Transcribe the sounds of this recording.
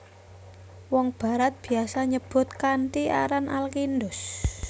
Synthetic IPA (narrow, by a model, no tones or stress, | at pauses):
wɔŋb̥a̤ɾat̪̚b̥i̤asaɲəb̥ʊ̤t̪̚kaɳʈia̰ɾanʔalkindʊs